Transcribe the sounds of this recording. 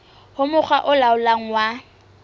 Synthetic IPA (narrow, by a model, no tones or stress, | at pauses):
hʊmʊk͡xʰwaʔʊlaʊlaŋ̩wa